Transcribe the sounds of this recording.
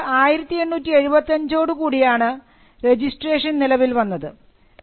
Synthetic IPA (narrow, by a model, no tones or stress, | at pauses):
aːjiɾɐt̪ːienːuːtːieɻubɐt̪ːɐɲd͡ʑo̞ːɽukuːɽijaːɳɨ | re̞d͡ʑisʈre̞ːʂɐnnilɐʋilʋɐnːɐðɨ